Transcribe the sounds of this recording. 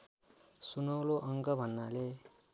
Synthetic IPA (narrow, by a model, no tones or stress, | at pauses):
sunʌwloʔʌŋɡʌbʱʌnːale